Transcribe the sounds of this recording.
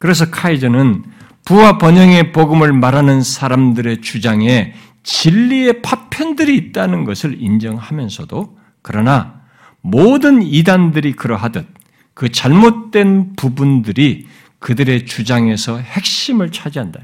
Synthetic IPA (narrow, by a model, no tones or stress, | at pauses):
kɯɾe̞s̬ʰʌkʰaid͡ʑʌnɯn | puwapʌɲʌŋe̞poɡɯmɯɭmaɾanɯnsʰaɾamdɯɾe̞t͡ɕud͡ʑaŋe̞ | t͡ɕiʎːie̞pʰapʰjʌndɯɾiːt̚t͈anɯnɡʌsʰɯɾind͡ʑʌŋhamjʌnsʰʌdo | kɯɾʌna | modɯnidandɯɾikɯɾʌɦadʌt̚ | kɯt͡ɕaɭmot̚t͈we̞npubundɯɾi | kɯdɯɾe̞t͡ɕud͡ʑaŋe̞sʰʌhe̞k̚ɕ͈imɯɭt͡ɕʰad͡ʑiɦanda̰jo